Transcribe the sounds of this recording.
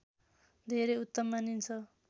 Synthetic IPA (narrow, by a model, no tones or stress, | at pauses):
d̪ʱeɾʌjut̪ːʌmːanint͡sʰʌ